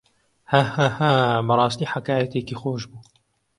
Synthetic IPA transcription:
hahaːhaːbɐɾˤɑːst̪iːħakaːjɐt̪eːkiːxoːʃbuː

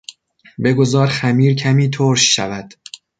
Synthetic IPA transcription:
be̞ɡo̞zɒːɾxæmiːɾcʰæmiːt̪ʰoːɾʃːævæd̪̥

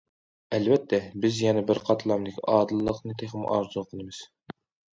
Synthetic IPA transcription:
ɛlvɛt̪ʰːɛbɪzjɛnɛbɪɾqʰɑt̪ʰlˠɑmd̪ɪkʲɑːd̪ɨlˠːəqnɨt̪ʰeχɪm̰ʔɑ̰ɾzulˠqʰənɨmɨz̥

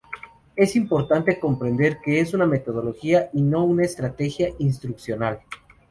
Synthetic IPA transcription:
e̞simpo̞ɾt̪ant̪e̞ko̞mpɾe̞nd̪eɾke̞esuname̞t̪o̞ðo̞lo̞xiaʔino̞unaest̪ɾat̪e̞xjaʔinst̪ɾuksjo̞nal

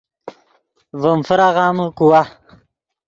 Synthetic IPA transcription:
vəmfəɾaʁɑːməkuwa

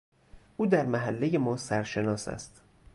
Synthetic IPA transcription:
ʔuːd̪æɾmæɦælːe̞jemɒːsæɾʃe̞nɒːsæ̰st̪

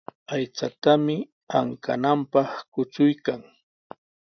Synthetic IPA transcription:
ajt͡sat̪amɪ | aŋka̰nampɑχkʊt͡sʊjkaŋ

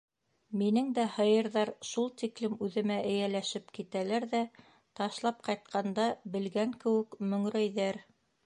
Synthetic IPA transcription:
minɘŋd̪æhɤ̆jɤ̆ɾðɑɾʃulˠt̪iklɘmʉðɘ̆mæʔɘ̆jælæʃɘpkit̪ælæɾðæ | t̪ɑʃlˠɑp̚qɑjt̪̚qɑnd̪ɑbɘ̆lɡæŋkɘ̆wɘ̆kmɵ̆ŋɾæjðæɾ

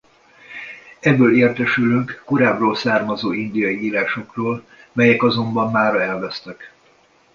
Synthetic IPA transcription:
ɛbːøːleːrt̪ɛʃylyŋkːoɾaːbroːlsaːrmɒzoːind̪ijɒjiiːlaːʃo̞kroːl | mɛjɛkɒzo̞mbɒmːaːɾɒɛlvɛst̪ɛk

